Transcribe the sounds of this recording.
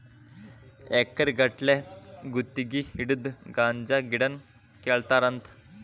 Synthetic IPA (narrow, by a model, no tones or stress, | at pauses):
ɛkːəɾʲɡəʈleɡut̪ːiɡihiɽɨd̪ɡand͡ʑaɡiɽən | kɛɭt̪aɾənt̪ʰ